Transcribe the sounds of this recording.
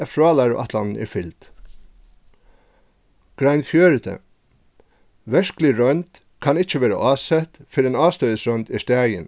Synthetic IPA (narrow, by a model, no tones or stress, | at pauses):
ɛfɹɑːlæɾ̰ʔɑt̪ʰlɑ̰nn̩ʔɪ̰ːfɪlt̪ | ɡ̥ɾæɪnfjøːɾət̪ʰə̰ | ʋɛʂklɪɾœʏnt̪ | kʰɑnɪt͡ʃəʋeːɾə̰ʔɑːsɛt̪fɪɾeːnɑːst̪œʏəsɾœʏnt̪iːst̪æːjən